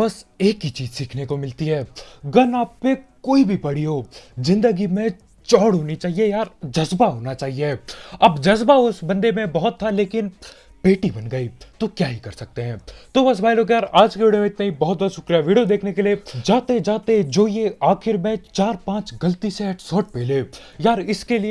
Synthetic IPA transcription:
bɐseːkit͡ʃiːzsiːkʰnekomɪlt̪iɦɛːɡɐnaːpːekoːibʱipɐɽ̤iɦoːzɪ̃nd̪əɡimẽ | t͡ʃɔːɽɦoːnit͡ʃaːɦiejaːɾd͡ʒɐzbaɦoːnat͡ʃaːɦieɐbd͡ʒɐzbaʊsbɐ̃nd̪emẽbɐɦʊt̪ʰːaleːkɪn | peːʈibɐnɡɐit̪okjaːɦikɐɾsɐk̚t̪eɦɛ̃ːt̪oːʋɐs̬bʱaːiloːkjaːɾaːd͡ʒkeʋiːɽijomẽɪt̪naibɔɦɔt̪̚bɔːt̪ʃʊkɾijaʋiːɽijod̪eːkʰnekelied͡ʒaːt̪ed͡ʒaːt̪ed͡ʒoːjeaːxɪɾmẽt͡ʃaːɾpãːt͡ʃɡɐlt̪iseɛʈsɔːʈ̚pɛːle | jaːɾɪskelie

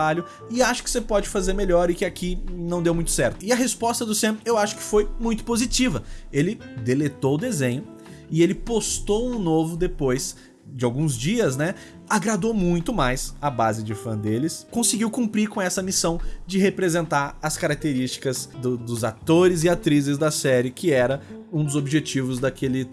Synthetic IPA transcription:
aʎʊ | ɪaʃʊ̥kɪ̥sepɔd͡ʒɪfazeɾmeʎɔɾɪkɪakʰinɐ̃w̃d̪ewmũj̃t̪ʊ̥sɛɾt̪ʊɪɐɦespɔst̪ɐd̪ʊsẽewaʃʊ̥kɪ̥fojmũj̃t̪ʊ̥pozit͡ʃivɐelɪd̪elet̪owʊd̪ezẽɲʊ | ɪelɪpost̪owũnovʊd̪epojs | d͡ʒɪawɡũzd͡ʒiɐznɛ | aɡɾad̪owmũj̃t̪ʊmajsɐbazɪd͡ʒɪfɐ̃d̪elɪskõsɪɡiwkũpɾiɾkõɛsɐmisɐ̃w̃d͡ʒɪɦepɾezẽnt̪aɾɐskaɾak̚t̪eɾist͡ʃi̥kɐzd̪ʊd̪ʊzat̪oɾɪzɪat̪ɾizɪzd̪ɐsɛɾɪkʰɪɛɾɐũd̪ʊzobiʒet͡ʃivʊzd̪akʰelɪ

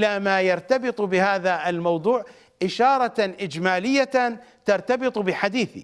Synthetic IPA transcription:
lamajɑɾˤt̪abɨt̪ˤbɪhaːðaɪlmɑwd̪ˤuːʕ | ʔɪʃɑːɾˤɑʔɪd͡ʒmaːlɪjːat̪ɑɾˤt̪ɑbɨt̪ˤbɪħad̪iːθḭ

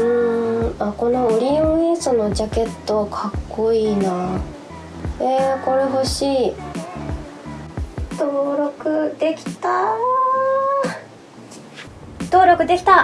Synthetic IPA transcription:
ɯ̟̃ako̞no̞ɯ̟ɾʲĩɯisɨno̞d͡ʑake̞t̪ːokʰakːo̞iːna | eko̞ɾe̞ɦo̞ɕiː | t̪oːɾo̞kɯ̟d̪̥e̞kʲi̥t̪a | t̪o̞ːɾo̞kɯ̟d̪e̞kʲi̥t̪a

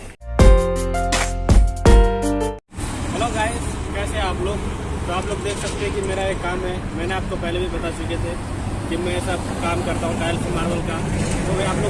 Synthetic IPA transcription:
ɦɛloːɡaːeskɛːseaːploːɡt̪oaːploːɡd̪eːksɐk̚t̪eɦɛ̃kimeːɾaekːaːmɦɛ | mɛ̃ːneaːp̚kopɛɦlebʱipɐt̪aʃiket̪ʰe | kimɛ̃ɛːsa | kaːmkɐɾt̪aɦũʈaːjəlsemaːɾbəlkat̪oaːploː

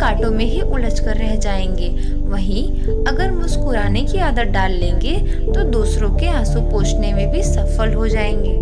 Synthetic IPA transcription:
kaːʈõmẽɦiʔʊləd͡ʒkɐɾːɛɦd͡ʒaːẽːŋɡeː | ʋɐɦĩ | ɐɡəɾmʊskuɾaːnekiaːd̪ət̪̚ɖaːlːẽːŋɡe | t̪od̪uːsɾõkeãːsupoːt͡ʃnemẽbʱisɐfəlɦod͡ʒaːẽːŋɡeː

